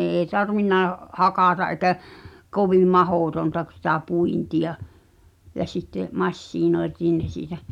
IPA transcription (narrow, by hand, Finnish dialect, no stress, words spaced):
eː tɑrʋinːɑ hɑkɑˑtɑʔ ʔekæ koʋiˑm̆ mɑhoˑtontɑ k sitæ puintiɑ jɑ sitːe mɑsːiːnoetiːn ne siːtæ